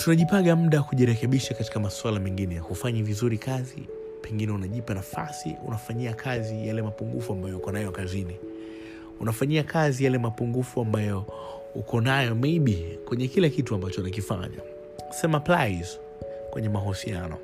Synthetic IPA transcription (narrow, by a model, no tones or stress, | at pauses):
tunaʄipaɠam̩ɗakuʄiɾɛkɛɓiʃakati̥kamaswalamɛŋɡinɛjahufaɲivizuɾikʰazḭ | pʰɛŋɡinɛunaʄipanafa̰sḭṵnafaɲiakʰazijalɛmapuŋɡṵfuambajɔukɔnajɔkazini | unafaɲiakʰazijalɛmapuŋɡufuambajɔ | ṵkʰɔnajɔmɛiɓikwɛɲɛkilakituambat͡ʃɔnak̬ifa̰ɲa̰ | sɛmaplajz | kwɛ̰ɲɛmaɦɔsianɔ̰